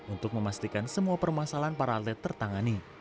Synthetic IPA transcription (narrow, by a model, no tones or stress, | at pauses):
unt̪ʊk̚məmast̪ikansəmuapərmasalanpaɾalɛt̪ərt̪aŋani